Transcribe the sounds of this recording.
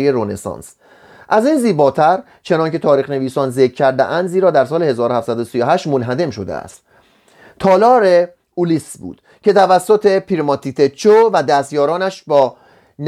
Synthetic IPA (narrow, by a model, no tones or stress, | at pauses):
jeɾonesɒ̰ːns | ʔæziːnziːbɒːt̪ʰæɾ | t͡ʃʰe̞nɒnkʲʰe̞t̪ʰɒːɾiːxne̞viːsɒːnzekʰːæɾd̪ḛʔænd̪ziːɾɒːd̪æɾsɒːlehe̞zɒːɾohæfsæd̪osijoɦæʃt̪monɦæd̪e̞mʃo̞d̪ḛæ̰st̪ | t̪ʰɒːlɒːɾe | ulisbṵːd̪̥ | cʰe̞t̪ʰævæsːo̞t̪ʰe̞pʰiɾmɒt̪ʰit̪ʰet͡ʃʰovæd̪æst̪jɒːɾɒːnæʃbɒː | n